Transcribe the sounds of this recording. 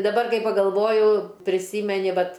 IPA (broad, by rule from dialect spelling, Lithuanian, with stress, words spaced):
dɐˈbɐr ˈkɐɪ pɐɡɐlˠˈʋoːjʊ pʲrʲɪˈsʲiːmʲɛnʲɪ ˈʋɐt